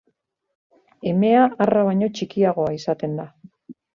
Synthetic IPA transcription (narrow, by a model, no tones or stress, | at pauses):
e̞me̞aaraβ̞aɲo̞t͡ʃikiaɣo̞aisat̪e̞nd̪a